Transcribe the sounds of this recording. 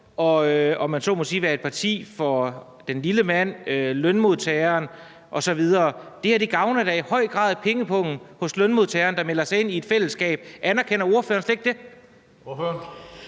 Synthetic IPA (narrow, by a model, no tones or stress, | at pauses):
ɒ̽øɒ̽mænso̝̰ːmosḭːʋæɐe̝d̥̚pʰɑ̈t͡sʰḭːfɒ̽ | d̥enliləmæn̰ølønmo̝ðˠt͡sʰɛɪɐːn | ʔɒ̽sɒ̽ʋið̞ˠɐːd̥e̝hæɐd̥e̝ɡ̥ɑ̈ʊnɐd̥æihɒ̽ɪ̰ɡ̥ʁɑ̰̈ːð̰ˠpʰeŋəpʰɔ̽ŋn̩hɔ̽slønmo̝ðˠt͡sʰɛɐːnd̥ɑ̈melɐsɑ̈ɪe̝nie̝d̥fel̰əsɡ̥ɛ̰ːb̥ʔænæɐkʰenɐo̝ɐføːɐnsleɡ̥̚d̥e̝ | øn